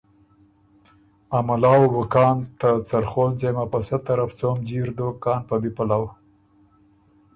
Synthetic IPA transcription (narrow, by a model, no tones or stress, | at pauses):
amalɑːwwʊkɑːnt̪at͡saɾxolzejmapasat̪aɾaft͡somd͡ʒiɾd̪okɑːnpabipalaw